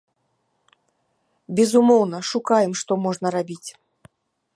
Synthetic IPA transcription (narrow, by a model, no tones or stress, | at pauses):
bʲɛzumɔwnɐʂukajɛmʂt̪ɔmɔʐnɐɾabʲit͡sʲ